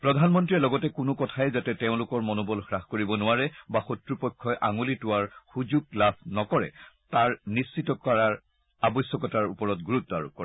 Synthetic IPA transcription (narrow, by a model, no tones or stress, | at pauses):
pɹɔdʱanmɔntɹiɛlɔɡɔtɛkʊnʊkɔtʰaɛzatɛteʊ̃lʊkɔɹmɔnɔbɔlxɹaxkoɹibɔnʊwaɹɛbaxotɹupɔjkʰːɔʔa̰ŋulitʊwaɹxuzuɡ̚lapʰnɔkɔɹɛ̰taɹnisːitɔkɔɹaɹ | abɔsjɔkɔtaɹṵpɔɹɔt̚ɡuɹutdɔa̰ɹṵkɔ